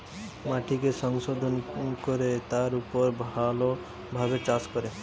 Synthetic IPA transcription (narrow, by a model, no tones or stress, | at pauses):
maʈʰikesɔŋsod̪ʱɔnkɔɾet̪aɾupɔɾbʱalo | bʱaɡet͡ʃaskɔɾe